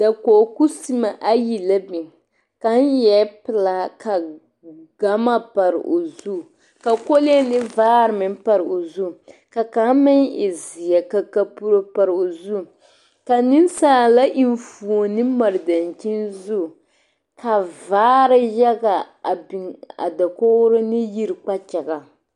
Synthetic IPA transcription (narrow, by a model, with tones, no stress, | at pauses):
da˨ko˨ku˦si˦ma˨ʔa˦ji˨la˦bi˨ŋ | ka˨˦n˦jɛ˦pɪ˨la˨ka˨ | ɡa˦ma˦pa˨ɾɪ̰˨ʔo˨zu˦˨ | ka˨ko˦lɪ˦ɛ˦nɪ˦vaː˦ɾɨ˨mɪ˨m˦pa˨ɾɨ˨o˨zu˦˨ka˨ka˨˦mɪ˦ŋɪ̰˨zɪ˨ja˨ka˨ka˨pu˦ɾo˦pa˨ɾo˨zu˦ | ka˨nɪ˦n˦saː˦la˦ʔi˨nfu˨o˨nɨ˦ma˨ɾɨ˨da˨nt͡ʃi˦nzʊ˦˨ | ka˨vaː˦ɾɪ˦jɛ˦ɡa˨ | a˨bi˨ŋa̰˨da˨ko˦ɾɪ˦nɪ˦ji˦ɾɨ˨k͡pa˦t͡ʃɛ˨ɡa˨